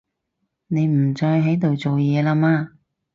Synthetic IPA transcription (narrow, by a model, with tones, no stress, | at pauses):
ne˨˧jm̩˨˩t͡ʃɔː˧jɦɐ˨˥jt̪o˨wt͡so˨wjɛː˨˧laː˧maː˧